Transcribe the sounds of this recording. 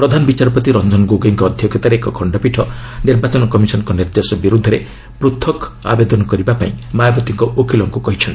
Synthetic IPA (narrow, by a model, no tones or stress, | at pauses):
pɾɔd̪ʱanɔbit͡ʃaɾɔpɔt̪iɾɔnd͡ʒɔnɔɡoɡeŋkɔːd̪ʱjɔkʰet̪aɾekɔkʰɔɳɖɔpiʈʰɔniɾbat͡ʃɔnɔkɔmisɔnɔŋkɔniɾd̪esɔbiɾud̪ʱɔɾe | pɾut̪ʰɔk | a̰bed̪ɔnɔkɔɾibapa̰ĩmajɔbɔt̪iŋkɔʔokʰilɔŋkukɔɦit͡ʃʰɔn